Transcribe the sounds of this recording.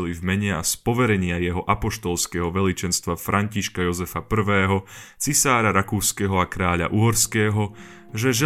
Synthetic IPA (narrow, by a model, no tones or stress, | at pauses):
livmɛɲɛa̰spɔʋɛɾɛɲɪajɛɦɔʔapɔʃt̪ɔlskɛɦɔʋɛlit͡ʃɛnst̪ʋafɾʔaɲciʃkajɔzɛfapr̩ʋɛːɦɔt͡sisaːɾaɾakuːskɛɦɔakɾaːʎa̰ʔuɦɔɾskɛːɦɔ | ʒɛʒɛ